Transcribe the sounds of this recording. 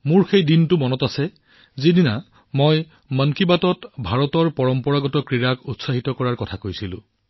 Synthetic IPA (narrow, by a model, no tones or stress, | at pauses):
mʊɹxejdintʊmɔnɔtasɛ | zinina | moj | mankibatɔtbʱaɹɔtɔɹpɔɹɔmpɔɹaɡɔtɔkɹiɹakutsaɦitɔkɔɹaɹkɔtʰakojsilʊ̰̃